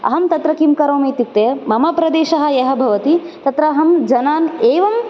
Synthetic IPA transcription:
ɐ̰ɦɐmt̪ɐt̪ɾɐkimkɐɾoːmeːt̪it̪ːeːmɐmɐpɾɐd̪eːʃɐɦɐ̆jeɦɐ̆bʱɐʋɐt̪it̪ɐt̪ɾɐːɦɐmd͡ʒɐnaːneːʋɐm

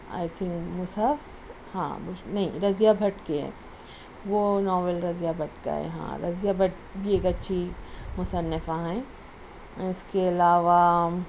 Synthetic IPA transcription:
a̰ːɪt̪ʰɪ̃ŋkmʊsəf | hã̰ːbnɐɦḭ̃ɾɐzijabʱɐʈkeɦɛ̰̃ː | ʋonɔːʋəlɾɐzijabʱɐʈka̰ɦɛ̰ɦã̰ːɾɐzijabʱɐʈ | bʱieːkɐtːʃʰimʊsənːɪfãɦɛ̃ː | ɪskeɐlaːʋa

